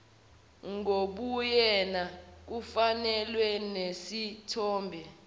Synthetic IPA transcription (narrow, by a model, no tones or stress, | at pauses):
ŋoɓujɛnak̬ufanɛlwɛnesitʰɔːmbʱɛ